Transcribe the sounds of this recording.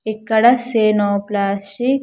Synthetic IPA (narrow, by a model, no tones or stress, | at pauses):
ekːɐɽɐseːnɔːplaːsʈik